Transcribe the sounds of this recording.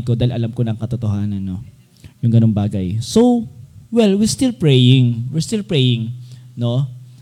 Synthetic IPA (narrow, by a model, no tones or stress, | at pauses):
ko̞d̪aːɪlʔɐlamkonɐŋkɐt̪ot̪oɦaːnɐnːo̞̰ | jʊŋɡɐno̞ŋbaːɡɐjsowwɛlwɪɹst̪ɪlpɹɛjɪŋwɪɹst̪ɪlpɹɛjɪ̃ŋno̞